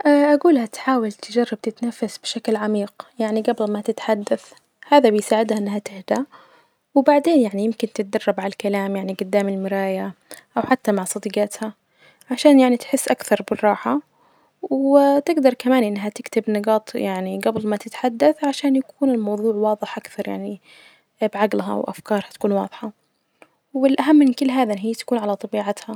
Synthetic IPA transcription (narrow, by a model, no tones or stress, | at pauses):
ʔaʔaɡuːlhat̪ħaːwalt̪ɪd͡ʒɑrˤːɑb̚t̪ɪt̪nafːasb̥ɪʃaklʕamiːqjaʕniɡabɪlmat̪ɪt̪ħad̪ːaθ | haːðabɪjsaːʕɪd̪haʔɪnːɦat̪ɪhd̪a | wɪbaʕd̪eːnjaʕnijɪmkɪnt̪ɪt̪̚d̪ɑrˤːɑbʕalalkalaːmjaʕniɡʊd̪ːaːmɪlmɪɾaːjaʔawħat̪ːamaʕsˤɑd̪iːɡat̪ha | ʕaʃaːnjaʕnit̪ħɪsːʔakθɑɾˤbɪrˤːɑːħa | wɪt̪ɪɡd̪ɑɾˤkamaːnʔɪnːɦat̪ɪkt̪ɪbnɨɡɑːt̪ˤjaʕniɡablmat̪ɪt̪ħad̪ːaθʕaʃaːnjakuːnɪlmɑwðˤuːʕwɑːðˤɨħʔakθɑɾˤja̰ʕni | bʕaɡlɦa̰wʔa̰fkɑːɾˤhat̪akuːnwɑ̰ːðˤħɑ | wɪlʔaɦamːɪnkɪlːɦaːðaɦiːt̪ḁkuːnʕalat̪ˤɑbiːʕat̪ha